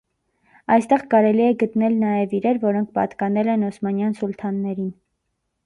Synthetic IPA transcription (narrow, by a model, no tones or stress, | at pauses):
ɑjst̪ɛʁkɑɾɛliɛɡət̪nɛlnɑjɛviɾɛɾvɔɾɔŋkʰpɑ̰t̪kɑnɛlɛnɔsmɑnjɑnsult̪ʰɑnːɛɾin